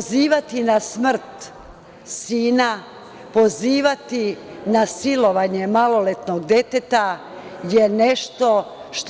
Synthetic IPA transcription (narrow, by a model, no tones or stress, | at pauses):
ziːʋat̪inasmr̩t̪ | siːna | po̞ziːʋat̪inasilo̞ʋaɲe̞malo̞let̪noɡd̪e̞t̪et̪a | jeneʃt̪o̞ | ʃt̪